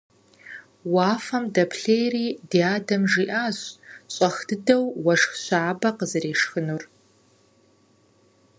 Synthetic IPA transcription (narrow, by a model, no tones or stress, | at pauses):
waːfɐmdɐpʰɬeːjriːdiaːdɐmʐiːʔaːɕɕʼɐxd̥ɨdɐwwɐʂxɕʷaːbɐqəzɨreːʂxɨnur